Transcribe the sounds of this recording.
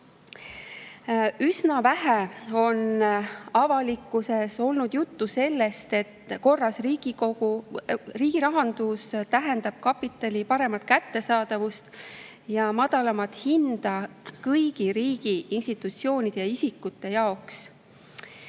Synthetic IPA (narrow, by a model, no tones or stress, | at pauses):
ysnɑvæɦeo̞nɑvɑlikːˑuse̞so̞lnud̪̥jut̪ːuse̞lːe̞st̪e̞t̪ko̞rːɑsriːɡiouriːɡ̥iɾɑɦɑnd̪̥ust̪æɦe̞nd̪ɑb̥̚kɑpit̪ːˑɑlʲipɑɾe̞mɑt̪̚kæt̪ːe̞sɑːd̪̥ɑvust̪ | jɑmɑd̪̥ɑlɑmɑt̪hind̪̥ɑkɯjɡ̥iɾiːɡ̥iʔinst̪it̪ˑut̪sio̞ːnʲid̪̥e̞jɑisikːˑut̪ːe̞jɑo̞ks